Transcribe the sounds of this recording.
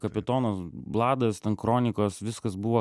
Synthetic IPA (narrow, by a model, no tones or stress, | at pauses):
kɐpʲɪt̪oːnosblˠɑːd̪ɐst̪ʲɛnkɾoːnʲɪkoːsʋʲɪskɐsbʊʋoː